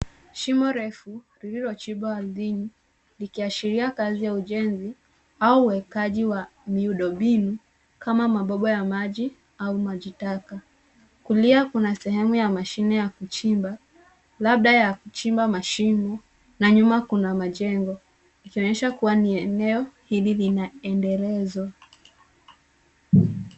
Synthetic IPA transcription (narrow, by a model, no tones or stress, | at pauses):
ʃimɔɾɛfuɾiɾiɾɔt͡ʃiɓɔalðini | likiaʃiɾiakazijauʄɛnzi | auwɛkaʄiwamiuɗɔɓinu | kamamaɓɔɓɔjamaʄi | aumaʄitaka | kuliakunasɛɦɛmujamaʃinɛjakut͡ʃimba | lab̚ɗajakut͡ʃimbamaʃimbɔ | naɲumakunamaʄɛŋɡɔ | ikiɔɲɛʃakuwaniɛnɛɔhililinaɛndɛlɛzwa